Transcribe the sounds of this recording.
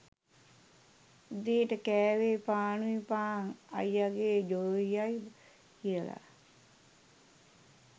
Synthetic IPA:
d̪eːʈəkɛːʋepaːnuipaːŋa̰jaɡeːd͡ʒoːɦijaj | hiəla̰

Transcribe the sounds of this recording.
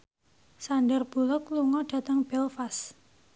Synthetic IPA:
saɳɖərb̥ṳlʊkluŋɔɖ̥a̤t̪əŋb̥ɛlfas

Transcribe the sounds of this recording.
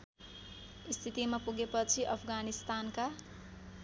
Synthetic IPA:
ist̪ʰit̪imapuɡepʌt͡sʰiʔʌpʰɡanist̪anka

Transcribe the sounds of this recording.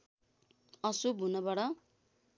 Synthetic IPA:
ʌsubʱunʌbʌɽʌ

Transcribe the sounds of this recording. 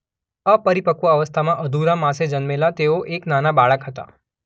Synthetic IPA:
əpəɾipəkuəʋəst̪ʰamãʔəd̪ʱuɾamãsed͡ʒənmelat̪eoʔeknanabaɭəkɦət̪a̰

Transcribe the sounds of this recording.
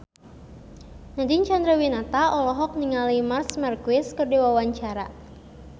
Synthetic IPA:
nadiɲt͡ʃand̪ɾəwinat̪aɔlɔɦɔk̚niŋalimarsmarkuɪskɨrdiwawaɲt͡ʃaɾa

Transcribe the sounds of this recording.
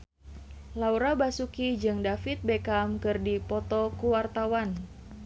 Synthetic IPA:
lauɾabasukid͡ʒɨŋdafit̪̚bekamkɨrdipɔt̪ɔkuwart̪awan

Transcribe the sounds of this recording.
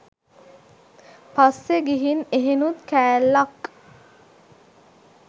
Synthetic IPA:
pasːeɡiɦineɦenut̪kæːlːak

